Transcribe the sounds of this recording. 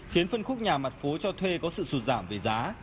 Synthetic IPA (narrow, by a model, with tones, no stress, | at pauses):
xi˨˦ənfə˧nxʊ˦˥k͡p̚ɲaː˨˩ma˨˩t̚fo˨˦t͡ɕɔ˧t̪ʰwe˧kɔ˨˦sɨ̰˧˨su˨˩t̚zaː˧˩mve˨˩zaː˨˦